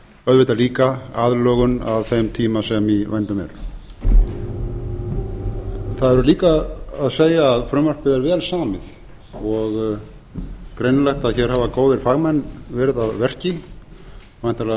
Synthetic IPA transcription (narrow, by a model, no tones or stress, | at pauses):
œðvɪt̪aliːkaaːðlœːɣʏna̰ðθemt̪ʰiːmasɛmivajnt̪ʏmɛ̰ɾ̥ | θaðɛɾʏliːkaaðseːjaːðfɾʏmœr̥pɪðɛɾvɛːlsaːmɪð | ɔɣ | kɾejnlɛxt̪aðçɛːɾ̥havakoːwðɪɾ̥faɣmɛnːvɛːɾɪðaðvɛr̥cɪ | vajn̥t̪ala